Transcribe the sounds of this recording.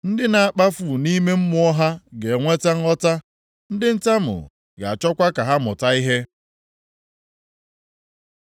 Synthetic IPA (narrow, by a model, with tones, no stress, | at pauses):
n̩˦dɪ˦na˨a˨k͡pa˦fu˨ni˦me˦m̩˦mʊ˦ɔ˦ɦa˦ɡe˨ŋʷe˦ta˦ŋ̩˦ɔ˦ta˦ | n̩˦dɪ˦n̩˦ta˦mʊ̰˨ | ɡa˨a˨t͡ʃɔ˦kʷa˦ka˨ɦa˦mʊ̰˨ta˦i˦ɦe˦